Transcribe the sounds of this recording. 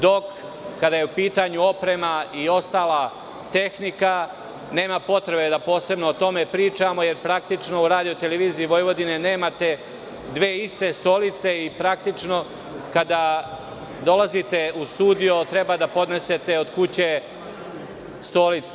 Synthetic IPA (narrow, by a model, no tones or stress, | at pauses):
d̪o̞kː | ad̪ajeupiːt̪aɲuo̞pɾe̞maio̞st̪aːla | t̪e̞xnika | ne̞ːmapo̞t̪ɾe̞be̞d̪apo̞ːse̞bno̞ːt̪o̞me̞pɾiːt͡ʂamo̞je̞ɾpɾak̚t̪it͡ʃno̞uɾaːd̪ijo̞t̪eleʋiːziiʋo̞jʋo̞d̪ine̞ne̞ːmat̪e̞ | d̪ʋe̞ːist̪e̞st̪o̞lit̪se̞ipɾak̚t̪it͡ʂno̞ | kad̪a | d̪o̞lazit̪e̞ust̪uːd̪ijo̞t̪ɾebad̪apo̞d̪ne̞se̞t̪e̞od̪kut͡ɕe | st̪o̞lit̪s